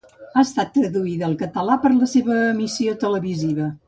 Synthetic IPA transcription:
aəst̪at̪ːɾəðuiðəːlˠkət̪əlapəɾləseβəmisiot̪ələβiziβə

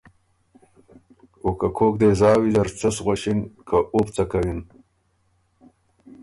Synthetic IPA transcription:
okakʰokd̪ezɑːwid̪ɐɾt͡sɐsʁaɕinkaʔupt͡sakawin

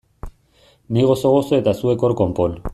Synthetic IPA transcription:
niɣosoɣosoet̪asue̞koɾkompon

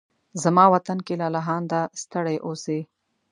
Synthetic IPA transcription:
zamɑwat̪ankelalaɦɑnd̪ast̪əɽajʔose

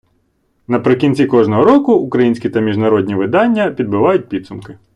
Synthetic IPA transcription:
nɐpɾɪkʲinʲt͡sʲikɔʒnɔɦɔɾɔkʊʊkɾɐjinʲsʲkʲit̪ɐmʲiʒnɐɾɔd̪ʲnʲiʋɪd̪ɑnʲːɐpʲid̪̚bɪʋɑjʊt̚ʲpʲid̪sʊmkɪ

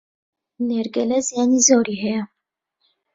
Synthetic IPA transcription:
neɾɡɛlɛzijaːnizoːɾiːhɛjɛ

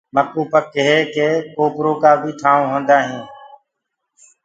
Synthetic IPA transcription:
məkuːpəkːəɦeːkeːkoːpɾoːkaːbʱiːʈʰaːõːɦõːnd̪aːɦĩː

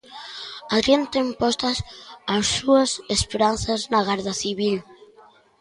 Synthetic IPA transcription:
aðɾjent̪empɔst̪asasːuasespeɾanθaznaɣaɾðaθiβil

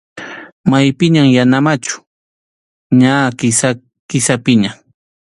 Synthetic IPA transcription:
majpɪɲaŋjanamat͡ʃʊ̥ | ɲakɪsa | kɪsapɪɲa

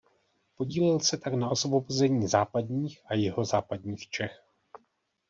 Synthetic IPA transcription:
po̞ɟiːlɪlsɛt̪aknao̞svo̞bozɛɲiːzaːpadɲiːxʔajɪɦo̞zaːpadɲiːxt͡ʃɛx

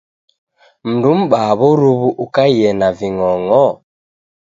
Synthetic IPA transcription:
m̩dum̩ɓaβɔɾuβuʔukaiɛnaviŋɔŋɔ

